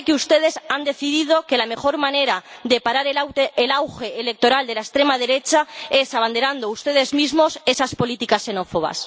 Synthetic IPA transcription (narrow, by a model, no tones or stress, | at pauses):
ekeust̪e̞ð̞e̞sand̪e̞θiðið̞o̞ke̞lame̞xo̞ɾmãne̞ɾaðe̞paɾaɾelawːlawxe̞ːle̞k̚t̪oɾald̪elaest̪ɾe̞maðe̞ɾe̞t͡ʃae̞saβ̞and̪eɾand̪oust̪e̞ð̞e̞zmizmo̞se̞saspo̞lit̪ikasːe̞no̞fo̞β̞a̰s